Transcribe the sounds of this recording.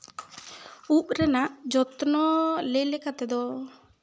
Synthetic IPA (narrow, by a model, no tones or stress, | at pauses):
uʔ̚ɾɛnaʔd͡ʒɔt̪nɔlejlɛkat̪ɛd̪ɔ